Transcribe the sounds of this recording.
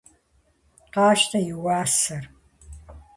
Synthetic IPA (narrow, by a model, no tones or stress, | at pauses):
qɑːʃtʰɐjɪwaːsɐr